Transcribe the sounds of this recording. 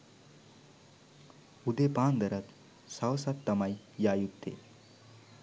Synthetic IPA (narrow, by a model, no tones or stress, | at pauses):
ud̪epaːnd̪ɐɾət̪ | sawsat̪ːɐmaj | jaːjut̪ːḛ